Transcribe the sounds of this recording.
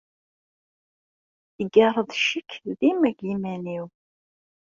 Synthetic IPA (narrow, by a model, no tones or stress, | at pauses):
iɡɑrˤəðˤʃəkʰːðimæɡimæniw